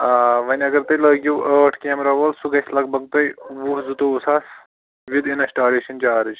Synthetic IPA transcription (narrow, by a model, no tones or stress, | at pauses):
aːʋɐnʲɐɡɐɾt̪ɐjlɐːɡʲjuːʔəːʈʰkeːmɾɐʋɐlsuɡɐsʲlɐk̚bɐɡ̚t̪ɐjʋuhzut̪ousaːs | ʋid̪inɐsʈaːɾeʃɐnt͡ʃaːɾid͡ʒ